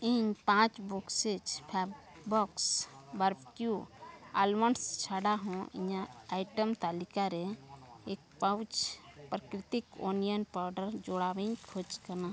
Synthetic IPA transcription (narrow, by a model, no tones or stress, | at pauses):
iɲpãːt͡ʃbukset͡ʃpʰa | bɔksbəɾpkjua̰ːlmənst͡ʃʰaːɖaɦõḭ̃ɲãajʈəmt̪aːlikaɾeeːk̚pawt͡ʃpɾəkɾɪt̪ikoːnijənpaːɾɖəɾd͡ʒoɽaːʋẽɲkʰot͡ʃkəna